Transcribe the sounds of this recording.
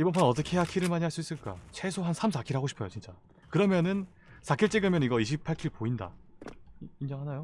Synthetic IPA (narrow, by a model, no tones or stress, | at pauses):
ibʌnpʰʌnʌt͈ʌkʰeejakʰiɾɯɭmaɲiɦaɭs͈uis͈ɯɭk͈a̰t͡ɕʰe̞sʰoɦansʰamsakʰiɾɦaɡoɕʰi̥pʰʌjot͡ɕint͡ɕ͈a | kɯɾʌmjʌnɯn | sʰakʰiɭt͡ɕ͈eɡɯmjʌniɡʌiɕʰipʰaɭkʰiɭpoinda̰ | ind͡ʑʌŋɦanajo